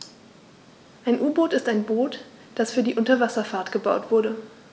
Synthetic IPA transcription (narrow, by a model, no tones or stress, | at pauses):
ʔaɪnʔuːboːtɪstaɪnboːt | d̥asfyːɐdiːʔʊntɐvasɐfaɐtɡ̥əbaʊtv̥ʊɐɾə